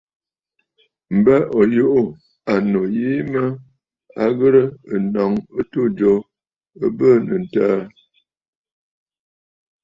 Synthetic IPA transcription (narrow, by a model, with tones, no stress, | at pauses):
m̩˨bə˦ʔɔ˨jo˦ʔu˦ | a˨no˨ji˦mə˦ | a˨ɣə˦ɾə˦ə˨nɔ˨ŋə˦to˦˨d͡ʒɔ˨˦ | ə˦bə˦˨nə˨n̩˨taː˦